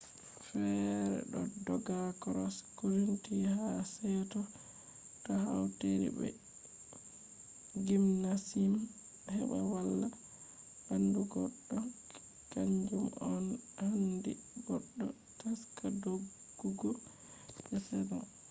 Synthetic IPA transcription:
fɛɾɛ̰ɗɔdɔɡakɔɾɔskuɾintihasɛtɔ | tɔhawteɾḭbɛ̰ | ɡimnasim | hɛɓawalːa | banduɡɔɗːɔ | kaɲd͡ʒumɔnhandḭɡɔɗːɔ | taskadoɡː | uɡɔ | bɛsɛdɔ

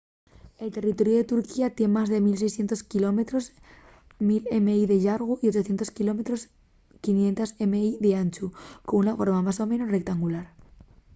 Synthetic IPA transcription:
e̞lt̪e̞rit̪o̞ɾjoðe̞t̪uɾkiat̪je̞nmazðe̞mils̬ejsθje̞nt̪o̞skilo̞met̪ɾo̞s | milemeiðeʝaɾɣ̞uʔiot͡ʃoθje̞nt̪o̞skilo̞met̪ɾos | kinje̞nt̪asemeiðeant͡ʃukounafo̞ɾmamaso̞mẽ̞nosre̞k̚t̪aŋɡulaɾ

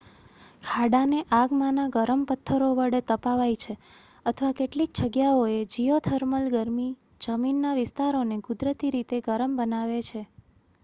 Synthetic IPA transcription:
kʰaɽaneʔaɡmãnaɡəɾəmpət̪ʰːəɾoʋəɽet̪əpaʋajt͡ʃʰe | ət̪ʰəʋakeʈlik̚d͡ʒəɡjaoed͡ʒijot̪ʰəɾməlɡəɾmi | d͡ʒəminːaʋɪst̪aɾonekʊd̪ɾət̪iɾit̪eɡəɾəmbənaʋet͡ʃʰe

